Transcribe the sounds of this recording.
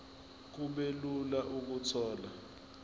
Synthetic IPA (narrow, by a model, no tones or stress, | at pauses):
k̬uɓelulaʔuk̬utʰɔːla